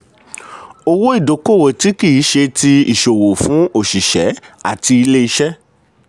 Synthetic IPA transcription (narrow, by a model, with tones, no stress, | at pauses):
o˧wo˦i˦˨do˨˦ko˦˨wo˨ti˨˦ki˦˨ji˨˦ʃe˧ti˧ḭ˨ʃo˨wo˨fũ˨˦o˦˨ʃi˨ʃɛ̰˨˦a̰˦˨ti˧i˧le˦i˧˦ʃɛ˦